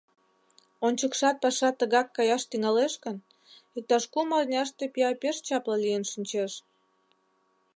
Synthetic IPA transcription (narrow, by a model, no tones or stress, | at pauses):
onʲt͡ɕəkʃɑt̪̚pɑʃɑt̪ːəɣɑkːɑjɑʃt̪yŋɑleʃkən | ik̚t̪ɑʃkumɑrnʲɑʃt̪epiɑpʲeʃt͡ɕɑpləlijənʃinʲt͡ɕeʃ